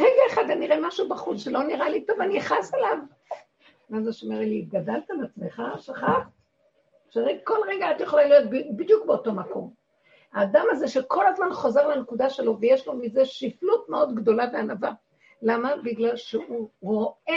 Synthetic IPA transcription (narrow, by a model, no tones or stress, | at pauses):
ʁeɡaeχad̪aniʁemaʃubaχut͡sʃe̞lo̞niʁalitovaniaχaselav | mazeʃomeʁliɡadalt̪aleat͡smeχaʃaχaχt | ʃeʁeɡko̞lʁeɡaatjeχolalijo̞t̪̚bibid̪jukbeoto̞mako̞̰m | aːdamaze̞ʃe̞kʰo̞lazmanχo̞ze̞ʁlanekudaʃe̞lo̞vejeʃlo̞mize̞ʃiflutmeo̞dɡdo̞laveanava | lamabiɡlalʃeuʁo̞e